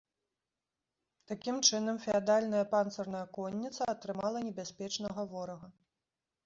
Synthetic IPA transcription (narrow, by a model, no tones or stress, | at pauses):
t̪akʲimt͡ʂɨnɐmfʲɛad̪alʲnɐjɐpant̪sɐrnɐjɐkɔnʲːit̪sɐːt̪ɾɨmalˠɐnʲɛbʲasʲpʲɛt͡ʂnɐɣɐvɔɾɐɣɐ